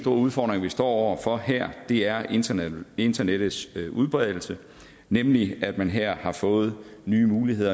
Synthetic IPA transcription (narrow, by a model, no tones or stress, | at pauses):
sd̥o̝ɐ̰uð̞ˠfɒ̰ːd̥ʁeŋʋisd̥ɒ̰ːɒʊɐfɒ̽ɦeɐ̰d̥e̝æɐʔe̝nd̥ɐneɾ̥ð̩ˠsøʔuð̞ˠb̥ʁɛð̞ˠl̩sə | nemliæd̥mænɦeɐ̰hɑ̈fɔ̽ːð̞̩ˠnyːmuːlihe̝ð̞̰ˠɐ